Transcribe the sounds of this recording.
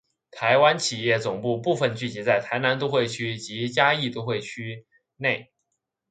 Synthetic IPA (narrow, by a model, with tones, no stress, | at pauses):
t̪ʰa˧˥ɪwa˥nt͡ɕʰi˨˩jɛ˥˩t͡sʊ˨˩ŋpu˥˧pu˥˧fə˧nt͡ɕy˥˩t͡ɕi˧˥t͡sa˥˩ɪt̪ʰa˧˥ɪna˧˥nt̪u˥˧xwe˥˩ɪt͡ɕʰy˥t͡ɕi˧˥t͡ɕja˥i˥˧t̪u˥˧xwe˥˩ɪt͡ɕʰy˥ | ne˥˩ɪ